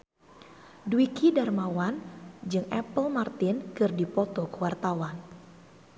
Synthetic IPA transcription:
duwikidarmawand͡ʒɨŋʔɛpəlmart̪inkɨrdipɔt̪ɔkəwart̪awan

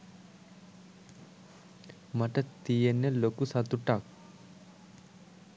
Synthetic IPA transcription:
mɐʈɐt̪ijenːelokːusɐt̪uʈːaːk

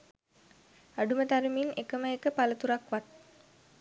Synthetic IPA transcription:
aɖumət̪aɾiminekəməekəpalət̪uɾakʋat̪̚

